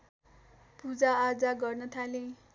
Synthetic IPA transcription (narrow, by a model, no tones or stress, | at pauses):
pud͡zaːd͡zaɡʌrnʌt̪ʰale